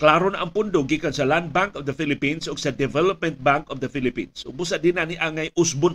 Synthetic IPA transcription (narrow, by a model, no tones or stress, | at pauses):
klaːɾonɐʔɐŋpʊnd̪oɡiːkansɐland̪̚baŋkɔvd̪ɐfilɪpinsʔʊɡsɐd̪ɛvɛlop̚mɛnt̪̚baŋkɔfd̪ɐfilɪpḭnsʔʊ̰ɡ̚bʊsad̪ɪnaniʔaŋajʔʊsbʊn